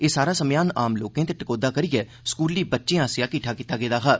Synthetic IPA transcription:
eːsaːɾaːsəmjaːnaːmloːkẽːt̪eːʈəkoːd̪aːkəɾɪjɛː | skuːlːiːbətːʃẽãːsɪjaːkɪʈʰaːkiːt̪aːɡeːd̪aːɦaː

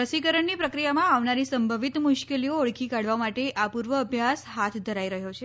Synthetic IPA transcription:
ɾəsikəɾəɳnipɾəkɾijamãaʋnaɾisəmbʱəʋit̪muʃkelioəɭkʰikaɽ̤ʋamaʈeʔapuɾʋəːbʱjasɦat̪ʰd̪ʱəɾaiɾəɦjot͡ʃʰe

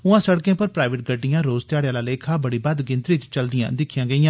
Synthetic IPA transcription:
ʊãːsəɽkẽːpəɾpɾaːʋeʈ̚ɡəɖːijãːɾoːzt̪ɪjaːɽjãːlaːleːkʰaːbəɽiːbəd̪ɡɪ̃nt̪ɾit͡ʃt͡ʃəld̪ɪjã̰ːd̪ɪkʰjãːɡəijãː

